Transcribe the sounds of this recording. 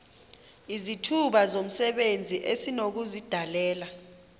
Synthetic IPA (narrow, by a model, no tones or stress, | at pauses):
izitʰuɓazom̩sɛɓend͡zʱiʔesinok̬uzid̥ʱalɛːla